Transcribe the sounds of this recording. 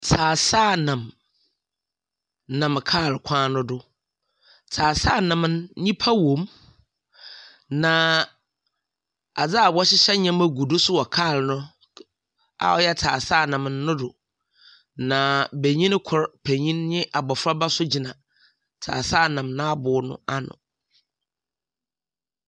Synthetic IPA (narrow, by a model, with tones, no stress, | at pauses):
tʰaː˨saː˦˨nã˨m | nã˨mkʰaː˦˨lkʷʰãː˦nʊ̃˦dʊ˨ | tʰaː˨saː˦˨nã˨m˦nɲĩ˦pʰa˦wõ˨m | nã˨ | a˨d͡za˦a˨bɔ˦ɕɪ˦ɕɛ˦ɲã˦mæ˦ɡu˨dʊ˦sʊ˦wɔ˨kʰaː˦˨lnʊ̃˦ | a̰˨ɔ˦˨jɛ˦tʰaː˨saː˦˨nã˨m˨nːʊ̃˦dʊ˨ | nã˨be˨ɲĩ˦n˦kʰʊ˨ɾpʰe˨ɲĩ˦nɲɪ̃˦ʔa˨bɔ˨fɾa˦ba˦sʊ˦d͡ʑi˨nã˨ | tʰa̰ː˨sa˦˨nã˨mnã˦a˦bʊ˨˦nʊ̰̃˦a˦nʊ̰̃˨